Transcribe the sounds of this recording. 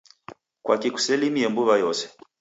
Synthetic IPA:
kwakiku̥sɛlimiɛmbuβajɔsɛ̥

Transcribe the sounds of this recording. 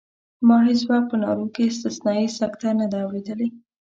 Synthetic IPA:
mɑɦes̬wɑk̚pənɑ̰ɾokeɪst̪ɪsnɑisakt̪anad̪aːwɾed̪əle

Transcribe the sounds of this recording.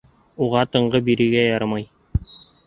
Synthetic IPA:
uʁɑt̪ɤ̆ɴɢɤbiɾɘ̆ɡæjɑɾɑmɑj

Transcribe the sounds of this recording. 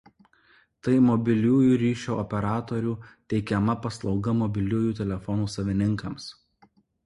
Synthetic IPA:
t̪ɐɪmɔbʲɪlʲuːjuːɾʲiːʃʲoːɔpʲɛɾɑːt̪ɔɾʲuːt̪ʲɛɪkʲɛmɐpɐslˠɒʊɡɐmɔbʲɪlʲuːjuːt̪ʲɛlʲɛfɔnuːsɐʋʲɪnʲɪŋkɐms

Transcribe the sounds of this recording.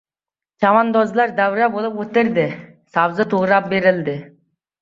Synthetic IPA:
d͡ʒɑmɑnd̪ozlˠɑɾd̪æwɾæbolˠɨpwɵt̪ɪɾd̪ɪ | sɑwzət̪ʰuʁɾɑp̚beɾɪld̪ɪ

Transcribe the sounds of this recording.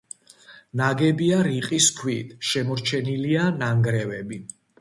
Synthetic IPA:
naɡɛbiaɾiqʼiskʰwit̪ʰʃɛmɔɾt͡ʃʰɛnilianaŋɡɾɛvɛbi

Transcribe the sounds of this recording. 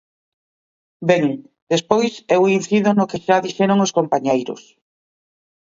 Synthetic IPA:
beŋ | d̪espojsewin̟θiðʊnokeʃaðiʃɛɾoŋoskompaɲejɾʊ̰s

